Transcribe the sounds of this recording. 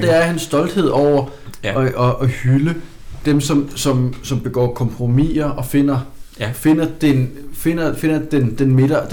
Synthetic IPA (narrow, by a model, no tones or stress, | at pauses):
d̥eæɐhensːd̥ɒ̽ld̥he̝ð̞̰ˠɒʊ̰ɐ | ʔɒʔɒhylə | d̥emsɒ̽msɒ̽msɒ̽mb̥e̝ɡ̥ɒ̰ːkʰɒ̽mpʰʁo̝mḭːɐʔɒ̽fe̝n̰ɐfe̝nɐd̥enfe̝nɐfe̝nɐd̥end̥enme̝ɾ̥ɐd̥